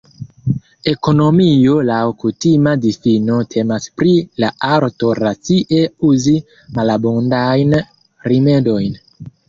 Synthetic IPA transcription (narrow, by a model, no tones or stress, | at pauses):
e̞ko̞no̞miolawkutimadifino̞tʰe̞maspɾilaʔaɾto̞ɾat͡siʔe̞uzi | malabondajn | ɾime̞do̞jn